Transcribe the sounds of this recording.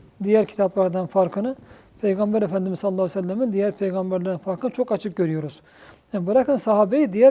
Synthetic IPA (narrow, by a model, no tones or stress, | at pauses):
d̪ijæɾcʰi̥t̪ʰaplˠɑɾd̪ɑnfaɾkʰɯnɯ | pʰe̞jɡɑmbæɾefænd̪imizlˠlːˠɑːlˠesælʲːæmind̪ijæɾpʰe̞jɡɑmbæɾlʲæɾd̪ænfaɾkʰɯnɯt͡ʃʰo̞kat͡ʃʰɯk̚ɟø̞ɾyjo̞ɾuz̥ | janbɯɾakʰɯnsɑɦaːbejid̪ijæɾ